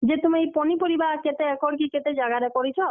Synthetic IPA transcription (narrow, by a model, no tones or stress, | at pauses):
d͡ʒet̪umiejpɔnipɔɾibaɦket̪eɛkʰɔɽk̬iket̪ed͡ʒaɡaɾekɔɾit͡ʃʰɔ